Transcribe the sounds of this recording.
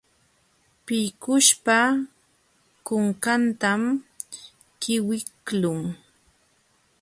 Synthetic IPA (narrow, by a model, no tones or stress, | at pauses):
pɪjkʊʃpa | kʊŋkant̪am | kɪwɪklʊŋ